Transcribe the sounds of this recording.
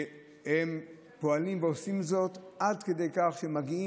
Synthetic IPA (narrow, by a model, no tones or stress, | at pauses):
hem | po̞alimveosimzo̞t̪ʔadke̞d̪e̞jkaχʃeemaɡii